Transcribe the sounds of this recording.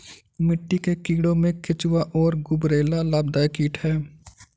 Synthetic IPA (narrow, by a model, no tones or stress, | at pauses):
mɪʈːikekiːɽõmẽkʰɪt͡ʃʊwaʔɔːɾɡʊbɾeːlalaːbd̪aːjkiːʈhɛː